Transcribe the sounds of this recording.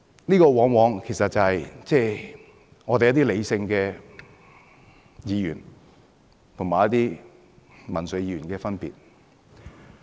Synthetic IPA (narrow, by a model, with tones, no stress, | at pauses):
niː˥kɔː˧wɔː˨˥ŋwɔː˨˧ŋkʰe˨˩jsɐ˨t̚t͡sɐ˨hɐ˨jt͡sɛː˥˧ | ŋɔː˨˧t̪e˨jɐ˥t̪iː˥le˨˧jsɪ˧ŋkɛː˧ | jiː˨˧jyː˨˩n | t̪ʰʊ˨˩ŋmaː˨jɐ˥t̪̚iː˥ | mɐ˨˩nsɵ˨˧ɥjiː˧˥ɥyː˨˩nkɛː˧fɐ˥npḭː˨t̚